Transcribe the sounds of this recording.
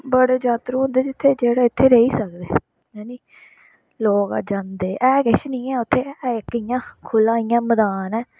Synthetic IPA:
bəɽeːd͡ʒaːt̪ɾuːɦʊ̃nd̪eːd͡ʒɪt̪ʰːeːd͡ʒeːɽaːɪt̪ʰːeːɾəiːsəkd̪eː | jaːniː | loːka̰ːd͡ʒãːnd̪eːʔɛːkɪʃnĩːɛːʊt̪ʰːeːɛɪkːəijãːkʰʊlãːijãːməd̪aːnɛː

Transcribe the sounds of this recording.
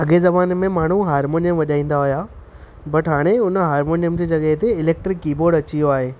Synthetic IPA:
ɐɠezɐbaːnmẽmaːɳ̤uɦaːɾmoːnijəmʋɐʄaːĩːn̆d̪aɦʊja | bɐʈɦaːɽ̃eʊnə̆ɦaːɾmoːnijəmd͡ʑeːd͡ʑɐɠəɦt̪eɪleːk̚ʈɾɪkːiːboːɾɖɐt͡ɕijoaːɦeː

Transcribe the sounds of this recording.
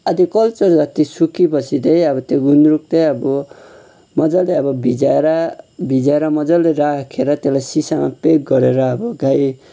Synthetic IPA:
ʌd̪ikʌlt͡sʌrd͡zʌt̪isukipʌsʰid̪ʌjʌbʌt̪joɡunɾuk̚t̪ʌʌbɔ | mʌd͡zʌleʌbʌbʱid͡zaeɾabʱid͡zaeɾʌmʌd͡zʌlːeɾakʰeɾʌt̪elajsisamapeɡ̚ɡʌɾeɾʌːbʌɡaj

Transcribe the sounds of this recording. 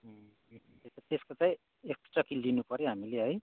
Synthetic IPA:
t̪eʌt̪eskot͡saĩ | eksʈʌkilinupʌɾjoɦamileɦʌj

